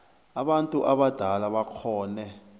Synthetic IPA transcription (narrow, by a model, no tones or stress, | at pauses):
aɓantʼuʔaɓad̥ʱalaɓakʰɔːnɛ